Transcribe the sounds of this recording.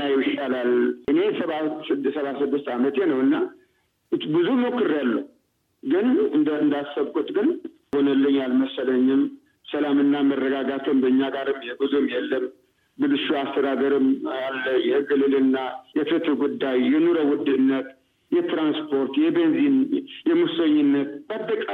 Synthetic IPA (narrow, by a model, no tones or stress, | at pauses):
ajjɪʃalalʔɨne̞səβasɨsəβasɨd̪ːɨst̪amət̪jenəwɨnːa | bɨzumokːɨɾalːə | ɡɨnɨnd̪ɨnd̪asːəβkʼut̪ʼɡɨn | ho̞nəlːəɲːalməsələɲːɪm | səlamɨnːamərːəɡaɡat̪ʰəmbəɨɲːaɡaɾɨmːebɨzumjɛlːəm | bɨlɨʃuast̪ʰəd̪ad̪əɾɨmalːəɲɛɡɨlɨlɨnːajɛfɨt̪ɨɾɡud̪ːajjɛnuɾəwʊd̪ɨnːət̪ | jɛt̪ɾanspʰo̞ɾt̪jɛbenzinjɛmusəɲːɪnːət̪b̥ad̪ːəkʼa